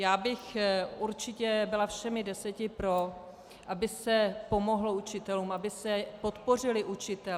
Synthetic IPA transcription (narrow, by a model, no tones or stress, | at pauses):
jaːbɪxuɾt͡ʃɪcɛbɪlafʃɛmɪdɛsɛcɪpɾo̞ | ʔabɪsɛpo̞mo̞ɦlo̞ut͡ʃɪt̪ɛluːmabɪsɛpo̞t̪po̞r̝ɪlɪʔut͡ʃɪt̪ɛ